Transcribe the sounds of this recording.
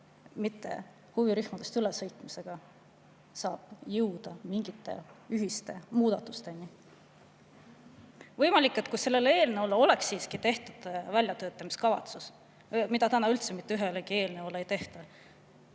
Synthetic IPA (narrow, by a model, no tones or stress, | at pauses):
mit̪ːe̞̰ | huviɾyhmɑd̪̥e̞st̪ylesɤjt̪ˑmise̞ɡ̥ɑ | sɑːb̥jɯwd̪̥ɑmiŋɡ̥it̪ːˑe̞̰yɦist̪e̞muːd̪ɑt̪ːˑust̪e̞ni | vɤ̞jmɑlʲikːˑe̞t̪kuse̞lːe̞leːlneolːeo̞le̞ksːiːskit̪e̞ht̪ud̪̥vælʲjɑt̪øːt̪ːˑɑmiskɑvɑ̰t̪sus | mid̪̥ɑt̪ænɑylt̪semit̪ːeyɦe̞lekie̞ːlneo̞lːeejt̪e̞ht̪ɑ